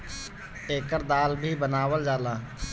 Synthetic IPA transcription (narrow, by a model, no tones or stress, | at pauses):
eːkəɾd̪aːlbʱibənaːwəld͡ʒaːlaː